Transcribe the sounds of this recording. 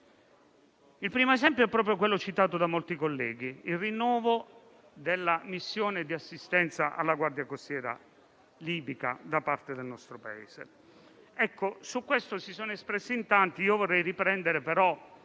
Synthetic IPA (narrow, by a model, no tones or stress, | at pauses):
ilpɾiːmoezɛmpjoɛpːɾɔːp̬ɾjokwelːot͡ʃit̪aːt̪od̪amolt̪ikolːɛːɡ̟iilrinːɔːvo | d̪elːamisːjoːned̪iasːist̪ɛnt̪saʔa̰lːaɡward̪jakost̪jɛːɾa̰ | liːbika̰d̪apart̪ed̪elnɔst̪ɾopaḛːz̥ḛ | ɛkːosukwest̪osisoːnoespɾesːint̪ant̪iiːovorːɛjripɾɛnd̪eɾepeɾɔ